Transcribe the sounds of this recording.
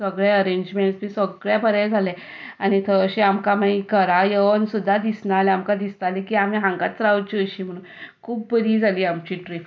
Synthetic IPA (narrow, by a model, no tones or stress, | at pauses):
səɡɭaəɾeɲd͡ʑmeɳʈsbʱisəɡɭjabəɾɛd͡zʱalẽ | añit̪ʰəəɕeamkam̤ãikəɾajəʋənsud̪ʱːad̪isnalɛamkad̪ist̪alekiamiɦãŋɡaɾawt͡ɕiəɕiːm̤əɽunkʰuːb̚ːəɾiːd͡zʱaliːamt͡ɕiʈɾif